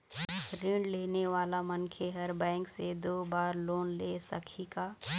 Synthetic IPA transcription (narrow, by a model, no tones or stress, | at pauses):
ɾɪɳɖleːneʋaːlamɐnkʰeɦɐɾbɛ̃ːŋksed̪oːbaːɾloːnleːsə̰kʰikaː